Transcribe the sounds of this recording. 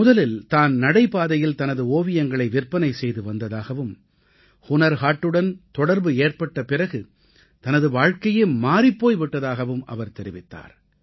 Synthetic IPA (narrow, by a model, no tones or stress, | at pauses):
mʊðɐlɪlt̪aːnnɐɽɐɪpaːðɐjɪlt̪ɐnɐðɯoːʋɪjɐŋɡɐɭɐɪʋɪrpːɐnɐɪsɛjðɯʋɐnd̪ɐðaːɣɐʋɯm | kʊnɐɾɣaːʈːɯɽɐnt̪ɔɽɐɾbɯeːrpɐʈːɐpɪrɐɣɯ | t̪ɐnɐðɯʋaːɻkɐjeːmaːɾɪpːoːjʋɪʈːɐðaːɣɐʋɯmʔɐ̰ʋɐɾt̪ɛɾɪʋɪt̪ːa̰ːɾ